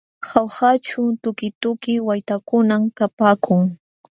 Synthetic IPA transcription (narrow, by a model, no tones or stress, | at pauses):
hawhat͡ʃʊt̪ʊkɪt̪ʊkɪwajt̪akʊnamkapaːkʰʊŋ